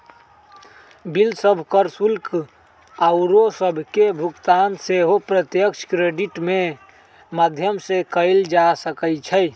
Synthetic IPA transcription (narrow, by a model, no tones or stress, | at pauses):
bilsəbʱkəɾsulk | aʊɾosəbʱkebʱukt̪anseɦopɾət̪jəkʃʰkɾeɖiʈme | məd̪ʱjəmsekəɪld͡ʒasəkət͡ʃʰəj